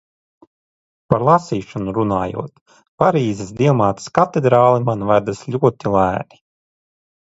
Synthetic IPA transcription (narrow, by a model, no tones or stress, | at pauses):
paɾlˠasiːʃɔnuɾunaːjṵɔt̪ | paɾiːzɛsd̪ʲiɛmaːt̪ɨ̥skat̪ɛd̪ɾaːlˠimanvad̪aslʲuɔt̪ilˠæːɾi̥